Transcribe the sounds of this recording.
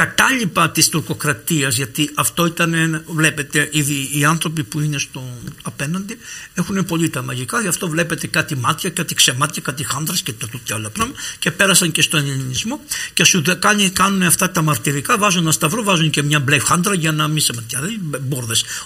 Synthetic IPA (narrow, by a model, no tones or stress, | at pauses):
kɐt̪ɐʎipɐt̪ist̪uɾko̞kɾɐt̪iɐzʝɐt̪iʔɐft̪o̞it̪ɐnevle̞pe̞t̪e̞ʔiðiːɐnθɾo̞pipuinest̪o̞ɐpe̞nɐnd̪iexune̞po̞ʎit̪ɐmɐʝikɐʝɐft̪o̞vle̞pe̞t̪e̞kɐt̪imɐt̪çɐkɐt̪ikse̞mɐt̪çɐkɐt̪ixɐnd̪ɾɐscet̪ɐt̪ut̪çɐolɐpɾomce̞pe̞ɾɐsɐɲce̞st̪o̞eʎilinizmo̞cesuðɐkɐnikɐnuneɐft̪ɐt̪ɐmɐɾt̪iɾikɐvɐzunɐst̪ɐvɾovɐzunce̞mɲɐblefxɐnd̪ɾɐʝɐnɐmisemɐt̪çɐðiboɾðe̞s